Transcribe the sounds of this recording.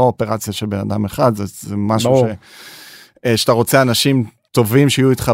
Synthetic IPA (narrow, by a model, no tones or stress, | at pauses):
oopeʁat͡sjaʃelbenad̪ameχad̪zezemaʃuʃe | ʃat̪aʁo̞t͡seanaʃimt̪o̞vimʃeijuit̪χa